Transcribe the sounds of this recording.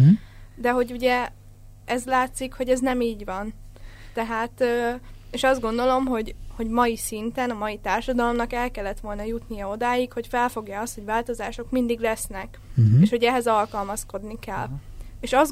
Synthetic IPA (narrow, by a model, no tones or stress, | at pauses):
d̪ɛɦo̞ɟuɟɛ | ɛzlaːt̪sikho̞ɟɛznɛmiːɟʋɒnt̪ɛɦaːt̪øːeːʃɒzd̪ɡo̞nd̪o̞lo̞mɦo̞ɟho̞ɟmɒjisint̪ɛnɒmɒjit̪aːrʃɒd̪ɒlo̞mnɒkɛlkɛlːɛt̪ʋo̞lnɒjut̪nijɒod̪aːjikho̞cfɛlfo̞ɡjaɒst̪ho̞ɟvaːlt̪o̞zaːʃo̞kmind̪iɡlɛsnɛk | eːʃho̞ɟɛɦɛzɒlkɒlmɒsko̞d̪nikɛlːeːʃɒz